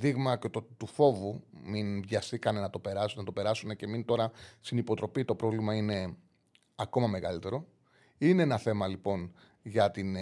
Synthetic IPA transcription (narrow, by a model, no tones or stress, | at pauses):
ðiɣmɐcet̪ot̪ufo̞vuminvʝɐsθikɐne̞nɐt̪o̞pe̞ɾɐsnɐt̪o̞pe̞ɾɐsune̞ce̞mint̪o̞ɾɐst̪inipo̞t̪ɾo̞pit̪o̞pɾo̞vlimɐine̞ | ɐko̞mɐme̞ɣɐ̰lit̪e̞ɾo̞ | ine̞enɐθe̞mɐlipo̞n | ʝɐt̪in